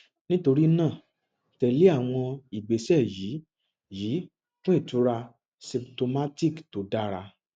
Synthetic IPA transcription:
nĩ˦to˧ɾi˦nãː˦˨ | tɛ˧li˦a˦˨w̃ɔ̃˧i˨ɡ͡be˨sɛ˦˨jiː˨˦ | jiː˨˦ | kũ˦i˦˨tu˨˦ɾa˧ | sĩ˧pto˧ma˦ti˦˨kto˨˦da˦ɾa˧

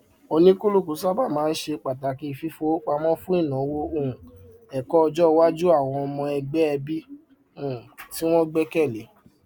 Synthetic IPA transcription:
o˧nĩ˦ku˦lu˦˨ku˨˦sa˦ba˦˨mãː˨˦ʃe˧k͡pa˨ta˨ki˦˧fi˦fo˦k͡pa˧mɔ̃˦fũ˦i˦˨nã˨˦wo˦õ˦˨ | ɛ˨kɔ˦ɔ˧d͡ʒɔ˦˧wa˦d͡ʒu˦a˦˨w̃ɔ̃˧ɔ˧mɔ̃˧ɛ˧ɡ͡bɛ˦ɛ˧bi˦ | u˦˨ti˦w̃ɔ̃˦ɡ͡bɛ˦kɛ˦˨le˨˦

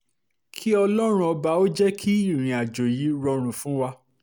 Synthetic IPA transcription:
kʰi˦ɔ˧lɔ˦ɾ̃ũ˦ɔ˧ba˧o˦d͡ʒɛ˦kʰi˦i˦˨ɾ̃ĩ˧a˨d͡ʒo˨ji˨˦ɾɔ˧ɾ̃ũ˧fũ˦wa˧

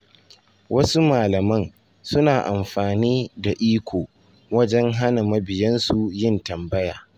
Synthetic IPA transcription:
wɐ˦su˦maː˨lɐ˨mɐ˦ŋ | sʊ˦naː˨ʔa˨mɸaː˨niː˦da˨ʔiː˦kʷoː˨ | wɐ˦d͡ʒɛ˦ŋɦa˦na˨mɐ˦bɪ˨jɐ˦nsu˨jɪ˦ntɐ˨mbɐ˦jaː˨

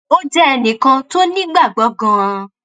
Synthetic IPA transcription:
o˦d͡ʒɛ˦ɛ˧nĩ˨kã˧to˦nĩ˦ɡ͡ba˦˨ɡ͡bɔ˨˦ɡã˧ã˧

